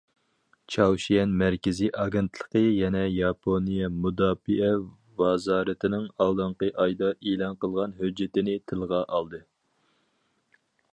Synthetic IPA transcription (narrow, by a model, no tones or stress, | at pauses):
t͡ʃʰɑwʃijɛnmæɾkʲɪziʔɑɡʲɛnt̪ʰlˠəqəjɛnɛjɑpʰonijɛmud̪ɑːfiɛ | vɑzɑːɾɨt̪ʰɪnɪŋɑlˠd̪ɨɴqəʔɑjd̪ɑʔelˠɑnqəlˠʁɑnɦød͡ʒːɪt̪ɪnɪt̪ʰɨlˠʁɑʔɑlˠd̪ɨ